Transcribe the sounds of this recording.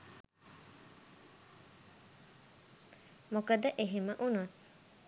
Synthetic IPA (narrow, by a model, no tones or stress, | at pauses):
mokɐd̪ɐʔeɦiməʔunu